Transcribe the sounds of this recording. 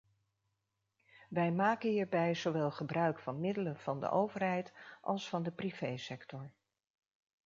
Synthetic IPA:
ʋɛjmaːkəɦiːɹbɛjz̥owʋɛlˠχəbrœɥkfɑnmɪdələnv̥ɑndə̰ʔowvəɹɦɛjtʔɑ̰lˠsfɑndəpriv̥ejsɛktɔɹ

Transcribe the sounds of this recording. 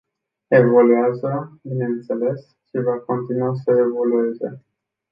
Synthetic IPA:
e̞vo̞luazəbine̞ɨnt̪se̞le̞s | ʃivako̞nt̪inuasəe̞vo̞lue̞ze̞̰

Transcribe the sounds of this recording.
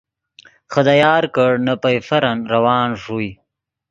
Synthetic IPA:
xəd̪ajɑːɾkəɽnapajfɐɾanɾawɑːnʐuj

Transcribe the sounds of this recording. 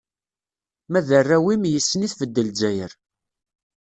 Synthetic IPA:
mæðərːæwimjəsːəniθvəd̪ːəld͡ʒæjəɾ

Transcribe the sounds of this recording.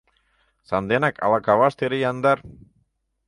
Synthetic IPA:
sɑnd̪enækɑ̰lˠɑkɑβɑʃt̪eɾejɑnd̪ɑɾ

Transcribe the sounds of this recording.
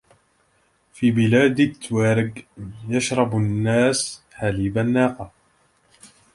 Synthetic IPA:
fiːbɪlaːd̪at̪ːwaːɾɪɡjaʃɾˤɑbʊnːaːsħaliːbanːaːqɑ

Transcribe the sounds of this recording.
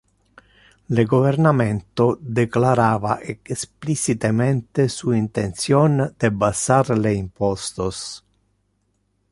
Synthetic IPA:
leɡovernament̪od̪eklaɾaːvaʔeksplit͡ʃit̪ement̪esuint̪ent̪sjond̪̥ebasaɾleimpɔst̪os

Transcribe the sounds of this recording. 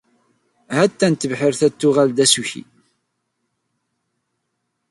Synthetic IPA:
hæt̪ːænt̪ːəvħəɾθæt̪ːʊʁæld̪æsuçḭ

